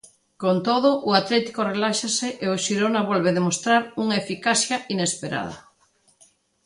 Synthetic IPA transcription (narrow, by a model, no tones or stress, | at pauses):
kont̪oðʊʔʊat̪lɛt̪i̥korelaʃaseʔeʊʃiɾonaβolβ̞eðemost̪ɾaɾuŋaefikasθjaʔinespeɾa̰ðɐ̰